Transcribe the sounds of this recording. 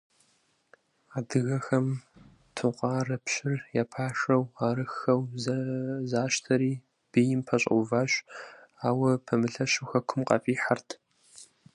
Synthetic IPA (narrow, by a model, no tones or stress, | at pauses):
aːdɨɣɐxɐm | tʰʊqʷʼɑːrɐpɕɪrjaːpʰaːʂɐwaːɾɨxɐwzzaːʃtʰɐɾiː | b̥ijɪmpʰɐɕʼṵvaːɕaːwɐpʰɐmɨɬɐɕuxɐkʷʰʊmqʼɐ̰fʼiːħartʰ